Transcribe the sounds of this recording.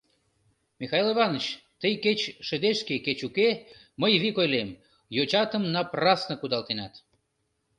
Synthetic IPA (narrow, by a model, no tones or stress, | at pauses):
mixɑjliβɑnət͡ɕt̪əjket͡ɕʃəd̪eʃkeket͡ɕuke | məjβikojlem | jot͡ɕɑt̪əmnɑprɑsnəkud̪ɑlt̪enɑt̪